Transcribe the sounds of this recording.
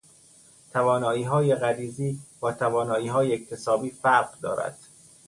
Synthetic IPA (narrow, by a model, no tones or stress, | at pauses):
t̪ʰævɒːnɒːiːɦɒːjeɣæɾiːziːb̥ɒːt̪ʰævɒːnɒːiːɦɒːjeːct̪ʰe̞sɒːbiːfæɾɢd̪ɒ̰ːɾæ̰d̪̥